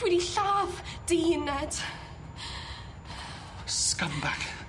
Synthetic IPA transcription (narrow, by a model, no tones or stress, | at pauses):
wɛɾiɬaːvd̥ɪnɛd̥ | skambak